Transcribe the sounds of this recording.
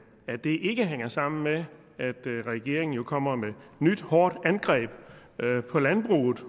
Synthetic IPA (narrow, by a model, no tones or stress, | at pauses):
æ̥e̝ʔe̝ɡ̥əɦeŋ̰ɐsɑ̈m̰n̩me | æd̥ʁaɛɡ̥e̝̰ɐe̝ŋn̩jo̝kʰɒ̽m̰ɐmenyd̥hɒːd̥ænɡ̥ʁɛ̰ːb̥ | pʰɒ̽lænb̥ʁṵːð̩ˠ